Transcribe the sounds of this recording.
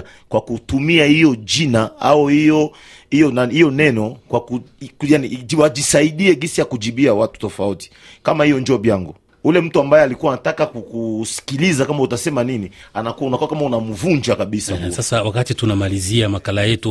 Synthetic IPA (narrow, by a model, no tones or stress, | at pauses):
kwakutumiahijɔd͡ʒinaauijɔ | ijɔnahijɔnɛnɔkwakukjaniwad͡ʒisaiɗiɛɡisijakud͡ʒiɓiawatu̥tɔfauti̥ | kamahijɔnd͡ʒɔːɓjaŋɡu | ulɛm̩tuambajɛalikuwanatakakukusi̥kilizakamautasɛmaninianakuunakuwakamaunamuvund͡ʒakaɓisasasawakatitunamaliziamakalajɛtu